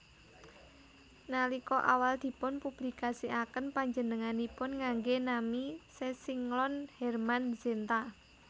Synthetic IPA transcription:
nalikɔʔa̰wald̪̥i̤pʊnpub̥likasiʔakənpaɲd͡ʒənəŋanipʊnŋaŋɡenamisesiŋlɔnhɛrmanz̥ent̪a

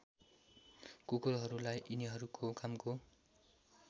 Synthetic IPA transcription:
kukolɦʌɾulajʔiniɦʌɾukʰokamko

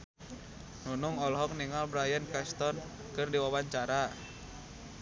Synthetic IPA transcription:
nunuŋɔlɦɔk̚niŋalbɾajankɛst̪ɔn | kɨrdiwawaɲt͡ʃaɾa

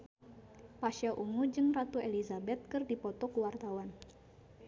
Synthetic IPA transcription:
paʃaʔuŋud͡ʒɨnrat̪uelizabɛt̪̚kɨrdipɔt̪ɔkuwart̪awan

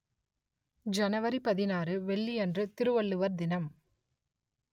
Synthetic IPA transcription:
d͡ʒɐnɐʋɐɾipɐðɪnaːɾɯʋɛɭːiɛndrɯt̪ɪɾɯʋɐɭːɯʋɐɾd̪ɪnɐm

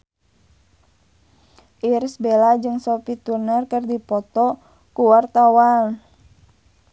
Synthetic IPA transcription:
ʔirsbelad͡ʒɨŋsɔpit̪urnərkərdipɔt̪ɔ | kuwart̪awal

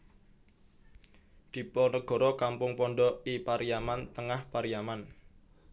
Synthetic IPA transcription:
d̪̥i̤pɔnəɡ̥ɔ̤ɾɔkampʊŋpɔɳɖɔipaɾijamant̪əŋahpaɾijaman

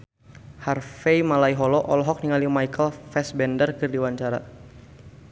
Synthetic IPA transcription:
harfɛjmalaiɦɔlɔʔɔlɔɦɔk̚niŋalimajkʰəlfɛsbɛndərkɨrdiwaɲt͡ʃaɾa̰

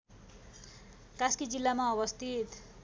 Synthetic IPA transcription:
kaskid͡zilːamaʌβʌst̪ʰit̪

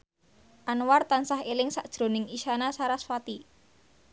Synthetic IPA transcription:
ʔanwart̪ansaɦelɪŋsaʔd̥ʒ̥ɾo̤nɪŋiʃanasaɾaswat̪i

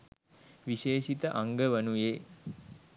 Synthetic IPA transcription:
ʋiʃeːʃit̪əʔaŋɡəʋənujeː

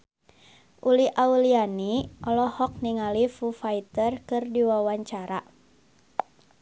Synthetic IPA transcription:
ʔuliʔaulianiʔɔlɔhɔk̚niŋalifufait̪ərkɨrdiwawaɲt͡ʃaɾa

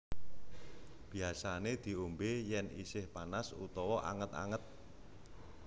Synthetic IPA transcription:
b̥i̤asaned̪̥i̤umbejɛnḭsɪhpanasṵt̪ɔwɔʔa̰ŋət̪a̰ŋət̪̚

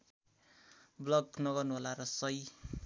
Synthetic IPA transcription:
blʌɡnʌɡʌrnuɦʌlaɾʌsʌj

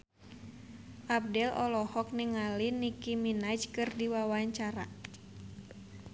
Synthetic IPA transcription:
ʔab̚dɛlɔlɔhɔk̚niŋalinikiminad͡ʒkɨrdiwawaɲt͡ʃaɾa̰

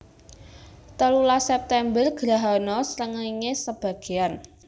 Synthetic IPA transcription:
t̪əlulasɛp̚t̪ɛmbərɡ̥ɾaɦanɔsɾəŋəiŋesəb̥a̤ɡ̥e̤an

